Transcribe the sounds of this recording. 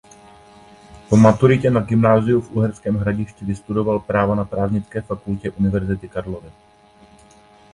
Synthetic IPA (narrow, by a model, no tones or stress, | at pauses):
po̞mat̪uɾɪcɛnaɡɪmnaːzɪufʔuɦɛɾskɛːmɦɾaɟɪʃcɪvɪst̪udo̞valpɾaːvanapɾaːvɲɪt͡skɛːfakulcɛʔunɪvɛɾzɪt̪ɪkaɾlo̞vɪ